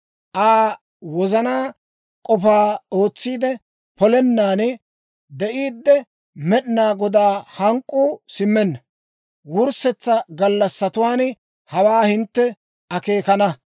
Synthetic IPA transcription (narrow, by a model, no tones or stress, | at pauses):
ʔaː | wɔzɐnaː | kʼɔpaːoːt͡sːiːd̪ɛ | pɔlɛnːaːnɛ | d̪ɛʔiːd̪ːɛ | mɛɗnaːɡɔd̪aːhɐŋkʼːuːsɪmːɛnːɐ | wʊɾsɛt͡sːɐɡɐlːɐsːɐt̪ʊwaːn | hɐwaːhɪnt̪ːɛ | ʔɐke̞ːkɐnɐ